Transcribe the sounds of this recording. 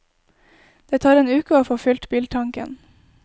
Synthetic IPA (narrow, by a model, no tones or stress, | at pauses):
d̪̥eːt̪ʰɑːɾeːnʉːkəoːfoːfʏlt̪biːlʈ̪ʰɑŋkə̰n